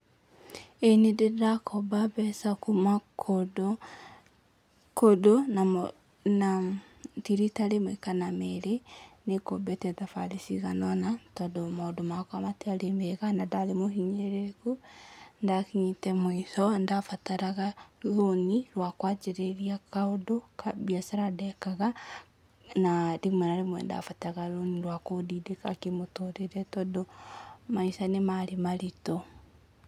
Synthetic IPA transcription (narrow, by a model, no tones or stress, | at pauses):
enededakɔbabɛsakumakʰod | kodona | na | tiɾitaɾemwekanamɛɾenekobɛtɛðafaɾisiɣanɔnatɔːdomadomakwamateaɾemeɣanadaɾemohiɲeɾekundakiɲitɛmoisɔndafataɾaɣaloniɾwakwat͡ʃeɾeɾiakaodokabiasaɾadɛkaɣa | nadeɣumanaɾemwɛ̰nda̰fataɣaloniɾwakodidekakemotoɾeɾɛtɔdomaisanemaɾemaɾitɔ